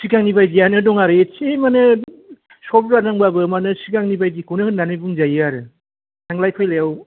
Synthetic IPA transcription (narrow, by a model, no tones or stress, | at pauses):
sikaŋnibajdijanɯdɔŋaɾet͡ʃemanɯ | sɔpɾanaŋbabɯmanɯsikaŋnibajdikunɯhɯnːanɯjbuŋd͡ʒajɯaɾɯ | sʰaŋlajkʰɔjlajaw